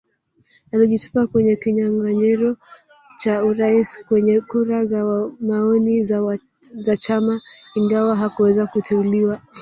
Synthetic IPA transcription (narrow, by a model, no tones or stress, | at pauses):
aliʄitu̥pakwɛɲɛkiɲaŋɡaɲɛɾɔ | t͡ʃauɾaiskwɛɲɛkuɾazamaɔni | zat͡ʃamaiŋɡawaɦakuwɛzakutʰɛuliwa